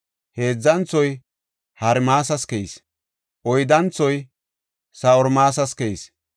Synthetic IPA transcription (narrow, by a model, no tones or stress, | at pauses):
he̞ːd͡zːɐnt͡sːɔj | hɐɾmaːs̬ɐskɛis | ʔɔjd̪ɐnt͡sːɔj | sɐɔɾmaːs̬ɐskɛis